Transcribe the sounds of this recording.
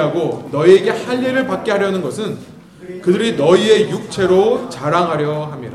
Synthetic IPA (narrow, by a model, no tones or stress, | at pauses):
aɡonʌie̞ɡe̞haʎːeɾɯɭpak̚k͈eɦaɾjʌnɯnɡʌsʰɯn | kɯdɯɾinʌie̞juk̚t͡ɕʰe̞ɾot͡ɕaɾaŋɦaɾjʌɦamɲiɾa